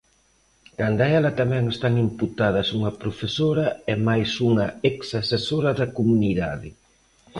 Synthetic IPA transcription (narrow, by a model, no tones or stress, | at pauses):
kand̪aɛlɐt̪amɛŋest̪aŋimput̪að̞ɐsuŋɐpɾofesoɾɐɛmajsuŋɐeksasesoɾɐðɐkomuniðaðɪ̰